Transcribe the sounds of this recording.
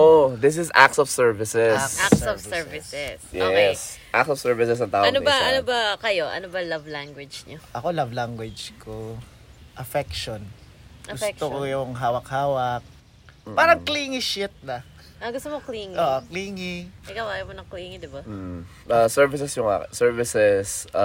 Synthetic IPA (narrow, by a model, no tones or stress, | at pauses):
ʔod̪ɪs̬ɪsa̰ksɔv̥sɛɹvɪsɛssovsɛɹvɪsɛsjɛsʔak̚sɔvsɛɹvɪsɛs̬ɐnt̪aːʔɐnobɐʔɐnobɐkɐjoʔɐ̰nobɐlɐvlaŋɡwɛd͡ʒɲoʔɐko̞lɐvlaŋɡwɐd͡ʒko | ʔɐfɛk̚ʃon | ɐɡʊfskt̪okojʊŋɦaːwɐk̚haːwɐk̚ | paːɾɐŋkliːŋɪʃɪt̪̚nɐ | ɐɡʊst̪omokliːŋʔoːʔokliːŋɪɪkɐwajɐmonɐŋkliːŋɪd̪ɪbam̩ː | ɐsɛɹvɪsɛsjʊŋʔa̰sɛɹvɪsɛs